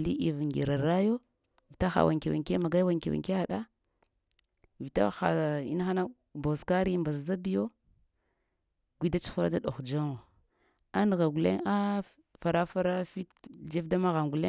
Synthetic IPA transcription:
lḭ˦ʔi˨vŋɡe˨ɾa˨ɾa˦jo˦ | vi˨ta˦xa̰˨wʔa̰˨ŋki˨wa̰˨ŋke˦ma˨ɡa˦wa˨ŋki˨wa̰˨ŋke˦a˨ɗa˦ | vi˨ta̰˦a̰˨ḭ˦n˦xa˦na˦ | bo˨ska˦ɾi˦mba˨zza˦bi˦jo˦ | ɡʷi˦da˦t͡ʃu̥˦xu˦ɾa̰˦da˦ɗo˨xd͡ʒa˦ŋo˨ | a˦n˨ɣa˨ɡu˨lḛ˦ŋa˦ | fa˨ɾa˦fa˦ɾa˦fi˦td͡ʒe˦fda˦ma˦ɣa˨ŋɡu˨le˦

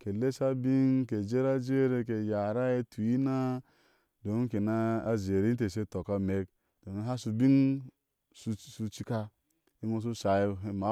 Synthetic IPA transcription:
ke˨le˦sa˦bi˦ŋke˨d͡ʒe˦ɾa˦d͡ʒe˦ɾe˨ke˨ja˨ɾa˦e˦tʰu˨i˦na˦ | do˨˦ŋ˦ke˨na˦a˨ze˨ɾi˦te˨se˦to˨ka˦me˨k | d̥o˨ŋ˦ɦa˦su˨bi˦ŋ | su˨su˧t͡ʃi˦ka˦ | i˦ŋo˦s̬u˦sa˨i˦e˨ma˨˦

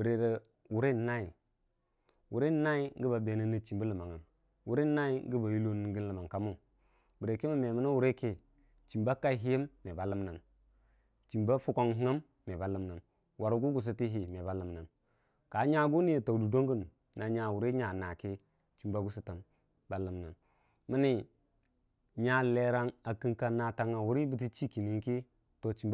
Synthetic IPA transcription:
bi˨ɾe˨ɾə˨ | wu˨ɾe˦˨na˦i˨ | wu˨ɾe˦na˦i˦ŋ˦ɡi˦ba˨be˨na˦ni˦t͡ʃi˨mbu˦lə˨ma˨ŋa˨m | wu˨˦ɾe˦na˦i˦ŋ˦ɡi˦ba˨ji˦lo˦n˨ŋɡi˦nlə˨ma˨ŋka˦mu˦ | bi˨ɾe˨ke˦ma˦me˨mə˦na˦wu˦ɾe˦ke˦ | t͡ʃi˨mba˦ka˦i˦ɦi˦je˦mːe˨ba˨lə˦mna˨m | t͡ʃi˨mba˦fu˦ko˦ŋɦŋa˦mːe˨ba˨lə˦mna˨m | wa˨ɾu˦ɡu˦ɡu˨s̬i˦ti˦ɦi˨me˨ba˦lə˨mna˨n | ka˨˦ɲa˦ɡu˦ni˦e˨ta˨wdu˨do˦ŋɡu˦˨n˨ | na˨ɲa˨wu˨ɾe˦ɲa˨na˨ke˦ | t͡ʃi˨mba˦ɡu˦si˦ta˨m | ba˨lə˨mna˨n | mi˦ni˦ | ɲa˦le˨ɾa˦ŋa˨ki˦ŋka˨na˨ta˨ŋa˨wu˦ɾi˦bi˦t̬i˦t͡ʃi˦ki˨ni˨ŋki˦ | to˨t͡ʃi˨mb

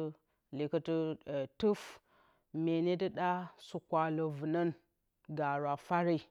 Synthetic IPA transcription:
li˨kə˦tu˦˨tu˦f | me˨ne˦də˦ɗa˦su˨kʷa˨lo˨vɨ˨nə˦n | ɡa˨ɾʷa˨fa˦ɾi˦

